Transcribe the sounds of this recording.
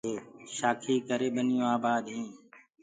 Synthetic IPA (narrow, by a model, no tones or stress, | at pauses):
eːʃaːkʰiːkəɾeːɓənɪjũːaːbaːd̪ɦĩː